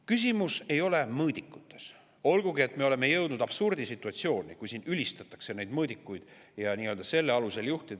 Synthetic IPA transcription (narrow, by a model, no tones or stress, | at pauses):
kys̬ʲimuse̞jo̞le̞mɤːd̪ikːˑu̥t̪ːˑe̞s | o̞lɡ̥uɡie̞t̪ːme̞o̞le̞me̞jɤwd̪nud̪ɑb̥surd̪̥isit̪ːˑuɑt̪sio̞ːnʲikujsiːnylʲist̪ɑt̪ːˑɑ̥kse̞nejd̪mɤːd̪ikˑːujd̪̥ | jɑniːøld̪̥ɑse̞lːeɑluse̞ljuht̪id̪̥